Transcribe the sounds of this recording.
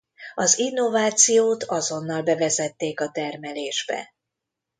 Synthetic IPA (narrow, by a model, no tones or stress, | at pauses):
ɒzinːo̞vaːt̪sijoːt̪ɒzo̞nːɒlbɛvɛzɛt̪ːeːkɒt̪ɛrmɛleːʒbɛ̰